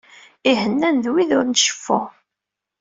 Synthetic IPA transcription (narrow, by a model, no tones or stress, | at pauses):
iɦənːænðwiðʊɾnʃə̥fːʊ